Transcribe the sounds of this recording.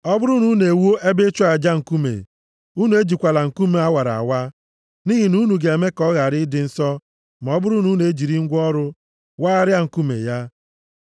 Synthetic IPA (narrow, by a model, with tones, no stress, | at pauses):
ɔ˦bʊ˦ɾu˦nu˦ne˨wo˦ʔe˦be˦t͡ʃu˦a˨d͡ʒa˦ŋ̩˨ku˦mḛ˨ | u˦nu˨e˦d͡ʒi˨kʷa˨la˨ŋ̩˨ku˦me˨a˦wa˨ɾa̰˨wa˦ | ni˦ɦi˨nu˦nu˨ɡe˨e˨me˦kɔ˦ɣa˨ɾɪ˦dɪ˦n̩˦sɔ˦ | ma˨ɔ˦bʊ˦ɾu˦nu˦n˨e˦d͡ʒi˨ɾi˦ŋ̩˦ɡʷɔ˦ɾʊ˦ | waː˦a˦ɾja˦ŋ̩˨ku˦mḛ˨ja˦